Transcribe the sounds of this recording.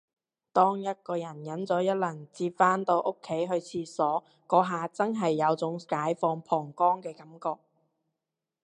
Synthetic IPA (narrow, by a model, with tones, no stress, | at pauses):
t̪ɔː˥ŋjɐ˥t̚kɔː˧jɐ˨˩njɐ˨˥nt͡sɔː˨˥jɐ˥t̚lɐ˨˩ŋt͡siː˧p̚faː˥nt̪o˧wʔo˥kʰːe˨˥jɦɵ˧ɥt͡sʰiː˧sɔː˨˥ | kɔː˨˧˥ɦaː˨t͡sɐ˥nɦɐ˨jːɐ˨˧wt͡sʊ˨˥ŋkaː˨˥jfɔː˧ŋpʰɔː˨˩ŋkɔː˥ŋkɛː˧kɐ˨˥mkɔː˧k̚